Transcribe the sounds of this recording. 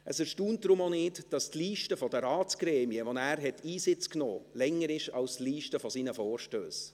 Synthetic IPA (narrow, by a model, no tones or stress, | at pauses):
ʔəsɛɾʃtuːnt̚dɾʊmonɪːdd̥ɑstliːʃtəfɔdəɾɑːtt͡sɡ̥ɾɛːmiəʋonæːɾɦɛtʰːiːsɪt͡skno̰ːlɛŋːəɾɪʃɑwstliːʃtəfɔsiːnəfɔːɾʃtø̰ːs